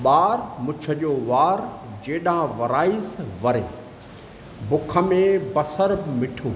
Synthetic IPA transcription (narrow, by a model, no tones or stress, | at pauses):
ɓaːɾmʊt͡ɕʰə̆d͡ʑoːʋaːɾd͡ʑeːɗãʋɐɾaːɪzʋɐɾḛː | bʊkʰə̆mẽbɐsəɾbmɪʈʰoː